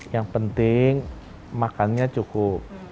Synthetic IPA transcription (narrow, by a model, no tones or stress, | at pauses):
jaŋpənt̪ɪŋ | makanɲat͡ʃukʊp̚